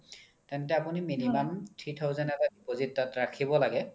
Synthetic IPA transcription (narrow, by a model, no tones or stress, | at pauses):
tɛntɛapuniminimamtʰitʰɔʊzɛnɛbadipozitːatɹakʰibɔlaɡɛ